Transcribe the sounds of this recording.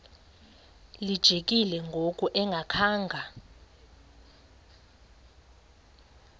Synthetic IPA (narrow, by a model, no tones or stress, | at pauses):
lid̥ʒ̥ʱek̬ʼilɛŋɡʱokʼuʔɛŋɡʱakʰaːŋɡʱa